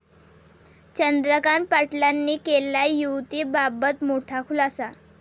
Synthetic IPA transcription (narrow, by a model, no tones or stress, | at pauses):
t͡ɕənd̪ɾəkaɳpaʈlanːiːkelːajuwt̪iːbabət̪moʈʰakʰulasa